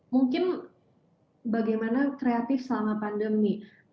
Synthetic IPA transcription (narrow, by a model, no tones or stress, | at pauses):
muŋkɪn | baɡajmanakɾeat̪ɪfsəlamapandəmni